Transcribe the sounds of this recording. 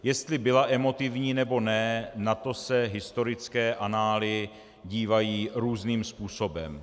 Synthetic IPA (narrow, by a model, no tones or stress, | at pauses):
jɛst̪lɪbɪlaʔɛmo̞t̪ɪvɲiːnɛbo̞nɛnat̪o̞sɛɦɪst̪o̞ɾɪt͡skɛːʔanaːlɪ | ɟiːvajiːɾuːzniːmspuːso̞bɛ̰m